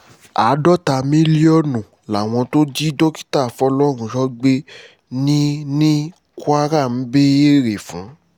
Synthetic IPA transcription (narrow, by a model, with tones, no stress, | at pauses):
a̰˨˦dɔ˦ta˧mĩ˦li˦ɔ˦nũ˨ | la˨w̃ɔ̃˧to˦d͡ʒi˦do˦ki̥˦ta˦˨fɔ˧˦lɔ˦ɾ̃ũ˧˦ʃɔ˦ɡ͡be˦ | nĩ˦nĩ˦ | ku˦a˦ɾa˦˨m̩˨˦be˦e˦ɾe˨fũ˨˦